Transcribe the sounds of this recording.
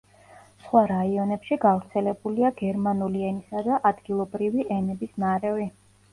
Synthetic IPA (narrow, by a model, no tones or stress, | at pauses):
sχwaɾaiɔnɛpʃiɡavɾt̪sʰɛlɛbuliaɡɛɾmanuliɛnisad̪aʔad̪ɡilˠɔbɾiviʔɛnɛbisnaɾɛvi